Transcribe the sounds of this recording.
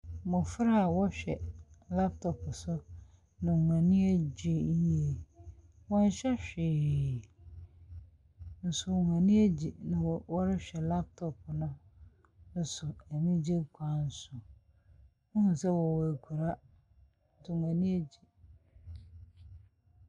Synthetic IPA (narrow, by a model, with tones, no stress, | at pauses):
mʊ̃˨fɾa˦˨wɔ˦ɕᶣɛ˨la˦p̚tʰɔ˨pʰʊ˨sʊ˦ | nɪ̃˨mã˨nĩ˦æ˦d͡ʑi˨˦je˨ | wɔ̃˦n˦ɕɛ˦ɕᶣɪː˨ | n̩˨sʊ˦˨wm˨ã˨nĩ˦æ˦d͡ʑi˨nɪ̃˨wɔ˦ɾɪ˦ɕᶣɛ˨la˦p̚tʰɔ˨pnʊ̃˦ | n̩˦sʊ˨æ˨mĩ˦d͡ʑe˦kʷʰã˨n̩˨sʊ˨ | ʊ˦hũ˦n˨sɛ˦wɔ˨wɔ˨æ˨kʰu˨ɾa˦˨ | tʊ˨mʷã˨nĩ˦e˦d͡ʑi˨